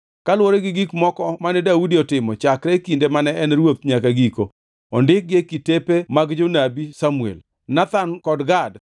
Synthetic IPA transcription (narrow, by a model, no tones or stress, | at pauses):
kalwoɾeɡɪɡikmɔkɔmanɛdaudiɔtɪmɔt͡ʃakɾɛkindemanɛɛnɾwot̪̚ɲakaɡiko | ɔndɪk̚ɡekːitepemaɡd͡ʒonabisamuḛl | nat̪ankɔdɡad